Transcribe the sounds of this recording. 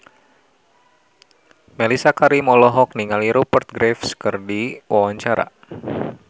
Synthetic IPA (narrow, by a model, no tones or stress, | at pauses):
melisakaɾimɔlɔɦɔk̚niŋaliɾopərt̪̚ɡɾefskɨrdiwʔawaɲt͡ʃaɾa̰